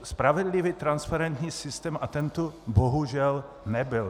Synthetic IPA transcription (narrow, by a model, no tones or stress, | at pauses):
spɾavɛdlɪviːt̪ɾanspaɾɛnt̪ɲiːsɪst̪ɛːmʔat̪ɛnt̪oboɦuʒɛl | nɛbɪl